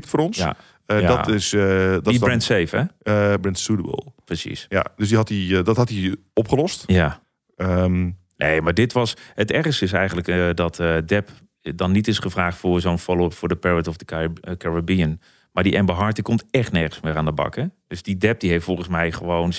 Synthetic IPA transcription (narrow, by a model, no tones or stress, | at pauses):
ptfʊːɾɔnsja̰ | atɪsdbɛntsejfɛbrɛntsutəbə̰lˠprəsḭsja̰døs̬diɦɑtidɔtɦɑtiɔpχəlɔstja | əm | neːmaɹdɪtʋɔshətɛrstəɪs̬ɛjɣən̩dləkədɔtʰdɛp | dɔnːitɪsχəfraːχtfʊzoːnfɔlˠfʊːdəpɛɹətɔfdəkaɹabiən | maɹdiʔɛmbəɦɑɹtəkɔmtɛχtnɛɹχənsmɪːɾaːndəbɑ̰kəd̥øsdidɛp̚diɦeftfɔlˠχən̩smɛjχəʋown